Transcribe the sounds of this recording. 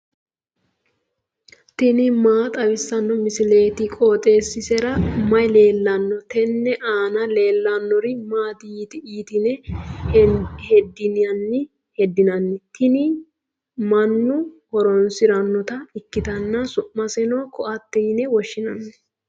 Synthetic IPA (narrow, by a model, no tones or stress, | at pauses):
t̪ɪnɪmaːt̪ʼɐwɪsːɐnːɔmɪsɪle̞ːt̪ɪkʼo̞ːt̪ʼe̞ːsːɪsɛɾɐmɐjle̞ːlːɐnːɔt̪ɛnːɛʔaːnɐle̞ːlːɐnːɔɾɪmaːt̪ɪiːt̪ɪiːt̪ɪnɛ | hɛd̪ːɪnɪjɐnːɪ | hɛd̪ːɪnɐnːɛt̪ʰɪnɪ | mɐnːʊhɔɾɔnsɪɾɐnːɔt̪ɐɪkːɪt̪ɐnːɐsʊʔːɐsɛnɔkɔʔɐt̪ːɛjnɛwɔʃːɪnɐnːɛ